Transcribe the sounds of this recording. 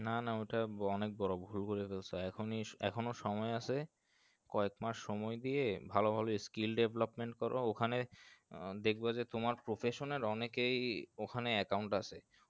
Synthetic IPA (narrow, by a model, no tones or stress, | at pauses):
nanaojʈaɔnek̚bɔɾobʱulkoɾefelt͡ɕʰoɛkʰoniɛ̰kʰonoʃɔmɔeasʰe | kɔekmaʃːɔmɔed̪ijebʱalobʱaloeskilɖebʱelopmeɳʈkɔɾʔo̰okʰane | d̪ek̚ʰbad͡ʑet̪omaɾpɾofʰeʃoneɾɔnekejokʰaneɛkawɳʈasʰe